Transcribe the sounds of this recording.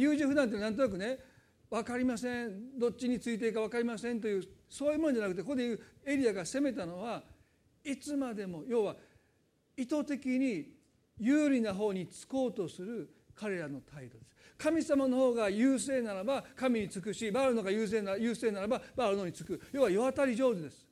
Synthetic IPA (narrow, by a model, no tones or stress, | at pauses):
jɯːʑĩɸɯ̟d̪ãnt̪enãnt̪o̞nak̬ɯ̟ne̞ | βakaɾʲimasẽ̞ɴd̪o̞t̚t͡ɕiɲ̟it͡sɨit̪̬e̞ikaβakaɾʲimasẽ̞nt̪o̞jɯ̟ːso̞ːjɯːmo̞nod͡ʑanakɯ̟t̪ekokod̪ejɯe̞ɾʲiaɡase̞me̞t̪ano̞βa | it͡sɨmad̪e̞mo̞jo̞ːβa | it̪o̞t̪e̞kʲiɲ̟i | jɨːɾʲinaɦo̞ːɲ̟it͡sɨ̥ko̞ːt̪o̞sɨɾɯ̟ | kʰaɾe̞ɾano̞t̪ʰaid̪o̞d̪̥e̞sɨ̥kamʲisamano̞ho̞ːɡajɯːse̞ːnaɾabakamʲiɲ̟it͡sɨk̬ɯ̟ɕibaːɾɯno̞ɡajɯːs̬e̞ːnajɯːse̞ːnaɾababaːɾɯ̟no̞ːɲ̟it͡sɨ̥kɯ̟jo̞ːβajoβat̪aɾʲiʑo̞ːd̪ɯd̪e̞sɨ̥